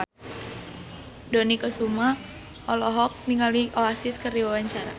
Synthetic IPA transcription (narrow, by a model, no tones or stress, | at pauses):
dɔnikəsuma | ɔlɔɦɔk̚niŋaliʔɔasɪskərdiwawaɲt͡ʃaɾa